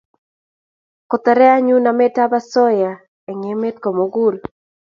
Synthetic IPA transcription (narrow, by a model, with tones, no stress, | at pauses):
kɔ˨t̪ɛ˨ɾɛ˦a˦ɲu˦na˨me˦ta˦ba˦sɔ˦ja˨ | ɛ˨ŋe˨me˦tko˨mo˨˦ɡu˦ɾ